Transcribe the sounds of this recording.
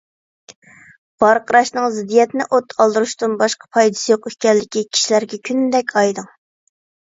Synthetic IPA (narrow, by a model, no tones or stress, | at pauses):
b̥ɑɾqʰəɾɑʃnɨŋzɪd̪ijɛt̪nɪʔot̪ʰɑlˠd̪ɨɾuʃt̪unbɑʃqɑ̥pʰɑjd̪ɨ̥sɨjoqyhkʲɛlːɪkʲikʲʰi̥ʃilæɾɡʲɛkʲʰynd̪ɛkʲʰɑjd̪ɨŋ